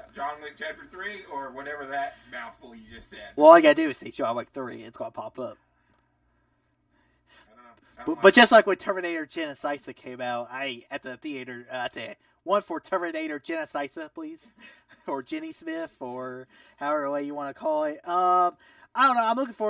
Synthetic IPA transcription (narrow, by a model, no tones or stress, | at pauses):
d͡ʒɑ̃nlɪk̚t͡ʃʰæfə˞θɹiə˞wʌɾɛvə˞ðɨt̚maʊθfl̩ˠjɨd͡ʒʌstsɛd̥̚wɛlˠaɪɡɑɾɨdɨɨsẽɪʃoʊaɪmlaɪk̚θɹḭɪ̰tsɡ̥ɑnəpʰɑpʌp̚ | b̥b̥ʌt̚ʒ̥ʌstˡlaɪkwɨ̃ntʰɜ˞mɨneɪɾə˞d͡ʒɛnɨsaɪsɨkʰẽɪ̃maʊt̚aɪɨt̪̚ðɨθieɪɾə˞ʌɨt̪sɨ | wʌ̃nfə˞tʰɜ˞mɨneɪɾə˞d͡ʒɛnɨsaɪsɨpʰl̥iz̥ə˞d͡ʒɪ̃nismɪθə˞ | haʊɛvə˞ðəweɪjɨwɑnɨkʰɔlˠɪt̚ʌ̃m | aɪɾõʊ̃nːoʊãɪ̃mlʊkɪ̃ŋfə˞